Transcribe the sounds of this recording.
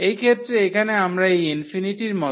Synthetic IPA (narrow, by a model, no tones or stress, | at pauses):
ejkʰet̪ːɾeekʰaneamɾaejinfiniʈiɾmɔ